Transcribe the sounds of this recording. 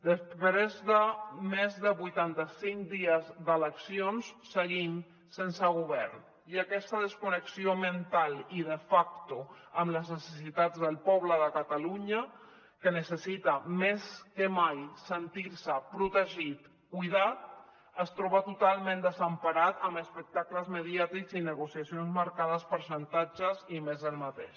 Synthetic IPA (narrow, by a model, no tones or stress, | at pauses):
d̪əspɾezðəmezðəβujt̪ant̪əsiŋkd̪iəzd̪ələksionssəɣim | sensəɣ̞uβɛɾn | iəkɛst̪əðəskunəksiomənt̪alˠiðəfak̚t̪uəmləznəsəsit̪ad͡zðəlˠpɔβləðəkət̪əluɲə | kənəsəsit̪əmeskəmajsənt̪iɾsəpɾut̪əʒit̪ | kujðat̪̚ | əst̪ɾɔβət̪ut̪alˠmẽnd̪əzəmpaɾat̪əməspək̚t̪akləzməðiat̪ikzinəɣusiasionzmaɾkað̞əspəɾsənt̪ad͡ʒəzimezəlˠmət̪ḛʃ